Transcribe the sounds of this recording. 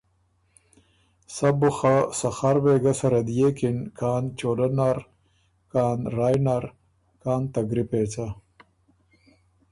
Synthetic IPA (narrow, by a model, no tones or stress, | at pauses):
sabʊxasɐxaɾbeːɡasɐɾɐd̪jekinkʰaːnt͡ʃoːɖanaɾ | kaːnɾaːjnaɾ | kaːnt̪ɐɡɾipet͡sa